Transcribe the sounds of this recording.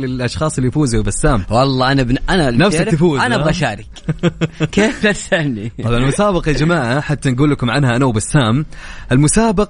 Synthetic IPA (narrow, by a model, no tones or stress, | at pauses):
lɪlʔɑʃxɑːsˤɪlːijfuːzuwbɪsːaːmwɑlˤːɑːʔanabnʔananafsɪt̪ːɪfuːzannaɣaʃaːɾɪk | keːft̪asalniˤɑbʕɑnlmʊsaːbɑqɑd͡ʒamaːʕaħat̪ːanɡuːlːakʊmʕanhaʔanawbɪsːaːmʔɪlmʊsaːbɑq